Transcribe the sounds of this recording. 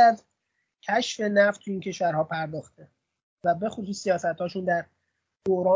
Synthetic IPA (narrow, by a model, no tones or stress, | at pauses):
æz | cʰæʃfe̞næft̪t̪ʰːuiːncʰe̞ʃvæɾɦɒːpʰæɾd̪ɒːxt̪ʰe | væbe̞xosuːsːijɒːsæt̪hɒːʃuːnd̪æɾ | d̪̥oɾɒː